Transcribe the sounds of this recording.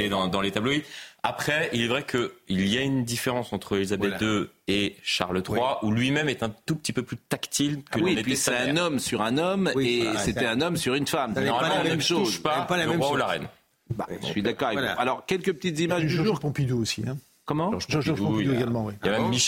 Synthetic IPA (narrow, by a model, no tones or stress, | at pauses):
ed̪ɑ̃d̪ɑ̃let̪abloiapχɛilɛvʁɛkʰəilijaynd̪ifeʁɑ̃sɑ̃t̪χəelizabɛd̪øeʃa̰ʁlət̪χwaʔulɥimɛmɛt̪ɛ̃t̪upə̥t̪ipøplyt̪akt̪ʰilkəwiepɥisɛɛ̃nɔmsyʁɛ̃nɔmeset̪ɛɛ̃nɔmsyʁynfamsnɔʁmalmɛmʃozʃpaaləɛʁwaulaʁɛ̰n | basɥid̪akɔʁealɔʁkʲɛlkəp̚ət̪it̪zimaʒd̪ʒyʒpɔ̃pid̪uosĩ | kɔmɑ̃ʒd̪ũeɡalmɑ̃wijamɛmːi